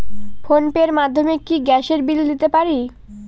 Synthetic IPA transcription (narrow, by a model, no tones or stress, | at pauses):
fonpeɾmad̪ʱːomekiɡɛʃeɾbild̪it̪epaɾi